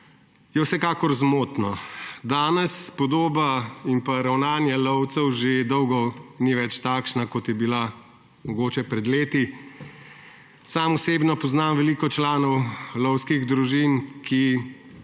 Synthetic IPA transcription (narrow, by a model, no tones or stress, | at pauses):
jɛwsɛkaːkɔɾzmoːt̪nɔd̪aːnɛspɔd̪oːbaimpaɾawnaːnjɛlɔwt̪sɛwʒed̪ɔwɡɔniʋɛt͡ʃt̪aːkʃnakɔt̪jɛbila | mɔɡoːt͡ʃɛpɾɛd̪leːt̪i | samɔseːbnɔpɔznaːmʋɛliːkɔt͡ʃlaːnɔwlɔwskiɣd̪ɾuʒinkʰi